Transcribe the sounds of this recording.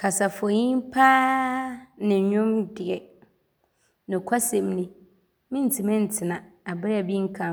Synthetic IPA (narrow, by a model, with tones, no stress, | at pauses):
kʰa˨sa˨fɔ˨ɲĩ˦m˦pʰaː˦ | nɪ̃˨ɲᶣʊ̃˦mdɪ˨ɛ˨ | nʊ̃˨kʷʰa˦sɛ̃˨mnɪ̃˨ | mɪ̃˦n̩˨t͡sʰi˨mɛ̃˦n̩˨tʰɪ˨nã˨a˨bɪ˦ɾa˨bi˦ŋ̩˦kʰã˦